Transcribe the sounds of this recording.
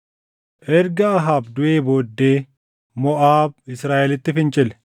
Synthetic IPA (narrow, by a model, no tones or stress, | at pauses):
ʔɛɾɡɐːɦaːbd̪ʊʔeːbo̞ːd̪ːe̞ː | mɔʔaːb̚ɪsɾaːʔɛlɪt̪ːɪfɪnt͡ʃʼɪlɛ̥